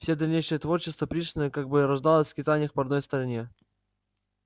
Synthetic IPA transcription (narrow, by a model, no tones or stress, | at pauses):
fsʲed̪ɐlʲnʲejʂɨjət̪vo̞rt͡ɕɪst̪vəpɾʲiʂʲnəjəkaɡ̚bɨɾɐʐd̪ɑlˠəsʲfkʲɪt̪anʲɪəfpɐd̪no̞jst̪əɾɐnʲe